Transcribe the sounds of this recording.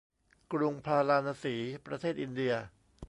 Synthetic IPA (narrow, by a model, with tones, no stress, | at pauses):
kɾu˧ŋpʰaː˧laː˧naː˧siː˩˦pɾa˧t̪ʰeː˥˩t̪̚ʔi˧ndi˧ɐ